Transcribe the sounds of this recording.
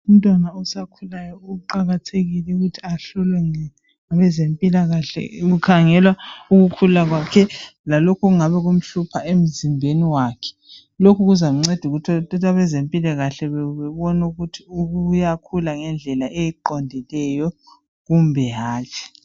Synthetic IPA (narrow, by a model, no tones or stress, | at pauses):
um̩tʼwanausakʰulajɔuuǃaɣatʰeɣilɛuɣutʰiaɬulɛŋɛ | ŋaβɛzempʼilaɣaɬɛ̰ɣukʰaŋɛlwauɣukʰulaɣwakʰɛlalokʰɔɣuŋaβɛɣum̩ɬupʰaem̩zimbʱeniwakʰɛ̥ | lokʰuɣuzam̩ŋ͡ǀed̥ʱuɣutʰtʰʼɔtʰaβɛzempʼilaɣaɬɛβɛβɛβɔnuɣutʰiuɣujakʰulaŋɛnd͡ɮʱɛlaʔejiǃɔndʱilɛjɔ | ɣumbʱɛɦaːt͡ʃʰi̥